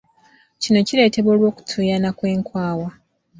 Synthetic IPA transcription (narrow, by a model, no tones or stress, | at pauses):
cino̞cile̞ːte̞βo̞ːlwo̞ːku̥tʰujanakwe̞ːŋkwaːwa